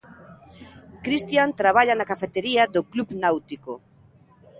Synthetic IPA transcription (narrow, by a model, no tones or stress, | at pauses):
kɾist̪jant̪ɾaβ̞aʎɐnakafet̪eɾiɐðoklubnawt̪iko